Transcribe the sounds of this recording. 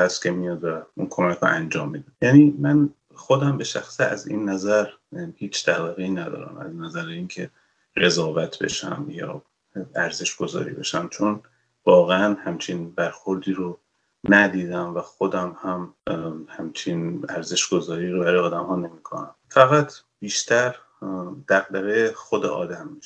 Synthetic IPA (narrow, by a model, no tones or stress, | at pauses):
æst̪kʲʰemijɒd̪væunkʰo̞mækʰɾo̰ʔænd͡ʒɒːmːiːd̪æjæːniːmæn | xod̪æmbe̞ʃæxsiæ̰zḭnːæzæɾ | hiːt͡ʃʰt̪ʰæbæɣeiːnæd̪ɒ̰ːɾæ̰mæ̰znæzæɾeiŋcʰe̞ | ɢe̞zɒːvæt̪ʰbe̞̰ʃæ̰mjɒ̰ː | æɾze̞ʃɡ̥o̞zɒ̰ːɾḭbe̞ʃæmt͡ʃʰon | vɒːɣeænhæmt͡ʃʰinbæɾxo̞ɾd̪iːɾo | næd̪iːd̪æmvæxod̪æmhæmhæmt͡ʃʰinæɾze̞ʃɡ̥o̞zɒːɾiːɾobæɾɒːjeɒːd̪æmhɒːne̞miːkʰo̰næmfæɣæt̪ʰ | b̥iːʃt̪ʰæɾ | d̪̥æɣ̚d̪æɣexod̪ḛʔɒ̰ːd̪æmːiʃ